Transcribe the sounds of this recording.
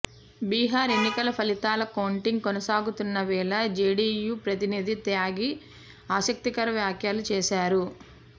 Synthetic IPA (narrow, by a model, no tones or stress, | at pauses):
biːɦaːɾe̞nːikɐlɐpʰɐlit̪aːlɐkɐwuɳʈiŋɡkonɐsaːɡut̪unːɐʋɛːɭɐd͡ʒeːɖiːjuːpɾɐt̪inid̪it̪jaːɡi | aːsɐk̚t̪ikɐɾɐʋjaːkʰjaːlut͡ʃɛːʃaːɾu